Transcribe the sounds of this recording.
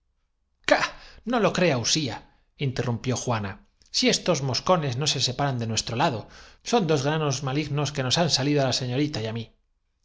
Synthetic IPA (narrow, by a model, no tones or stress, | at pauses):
kano̞lo̞kɾe̞ausia | int̪e̞rumpjo̞xwana | sie̞st̪o̞zmo̞sko̞ne̞zno̞se̞se̞paɾand̪e̞nwe̞st̪ɾo̞laðo̞so̞nd̪o̞zɣɾano̞zmaliɣno̞ske̞no̞sansaliðoalase̞ɲo̞ɾit̪ajami